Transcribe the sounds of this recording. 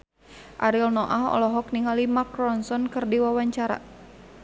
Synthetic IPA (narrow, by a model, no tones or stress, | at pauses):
ʔaɾilnɔʔaɦɔ̰lɔɦɔk̚niŋalimakɾɔnsɔnkɨrdiwawaɲt͡ʃaɾa̰